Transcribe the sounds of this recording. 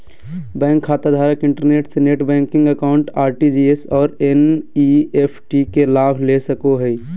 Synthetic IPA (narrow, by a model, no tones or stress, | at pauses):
bɛ̃ːŋkʰːaːt̪ad̪ʱaːɾəkɪ̃ɳʈəɾneːʈseneːʈbɛ̃ːŋkɪ̃ŋɡəkaːʊɳʈaːɾʈid͡ʒiesɔːɾeniepʰʈikelaːbʱlesəkoɦɛi